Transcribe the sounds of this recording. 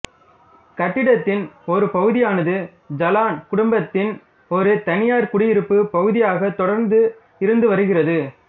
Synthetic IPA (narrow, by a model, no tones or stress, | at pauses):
kɐʈːɪɽɐt̪ːɪnɔɾɯpɐɣɯðɪjaːnɐðɯ | d͡ʒɐlaːnkʊɽʊmbɐt̪ːɪn | ɔɾɯt̪ɐnɪjaːɾkʊɽɪjɪɾɯpːɯpɐɣɯðɪjaːɣɐt̪ɔɽɐɾnd̪ɯ | ɪɾɯnd̪ɯʋɐɾɯɣɪrɐðɯ